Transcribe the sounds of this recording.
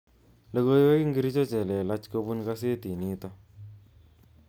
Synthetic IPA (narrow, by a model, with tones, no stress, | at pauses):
lə˨ko˦jwɛ˦ki˦ŋɡi˦ɾi˦t͡ʃo˦t͡ʃɛ˨lɛ˨la˦t͡ʃko˦bu˦nka˦s̬e˦ti˨ni˦tɔ˦